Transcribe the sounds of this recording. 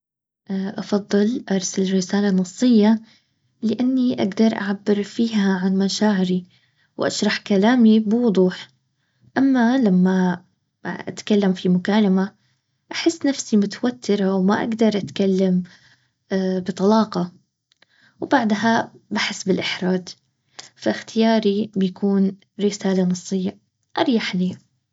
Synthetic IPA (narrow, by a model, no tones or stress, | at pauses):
ʔʔɑfɑd̪ˤːɨlʔɑɾˤsalrːɪsaːlanːɑsˤːɪjːa | lɪʔanːiʔaɡd̪ɑɾˤʔa̰ʕabːɪɾfiːɦaʕanmaʃaːʕɪɾi | wʔa̰ʃɾˤɑħkalaːmibɪwʊd̪ˤuːħ | ʔamːalamːa | ʔa̰t̪kalːamfimʊkaːlama | ʔaħɪsːnafsimʊt̪awat̪ʰːɪɾawmaʔa̰ɡd̪ɑɾˤʔat̪kalːam | bɨt̪ˤɑlɑːqɑ | wbaʕd̪ɦabaħɪsːbɪlʔɪħɾˤaːd͡ʒ | faxt̪ʰɪjɑːɾibɪjakʰuːn | ɾɪsaːlanɨsˤːɨjːa | ʔɑɾˤjaħliː